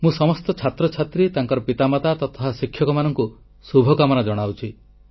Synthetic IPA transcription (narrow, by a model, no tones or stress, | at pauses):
mũsɔmɔst̪ɔt͡ʃʰat̪ɾɔt͡ʃʰat̪ɾit̪aŋkɔɾɔpit̪amat̪at̪ɔt̪ʰasikʰːjɔkɔmanɔŋku | subʱɔkamɔnad͡ʒɔɽ̃awt͡ʃʰi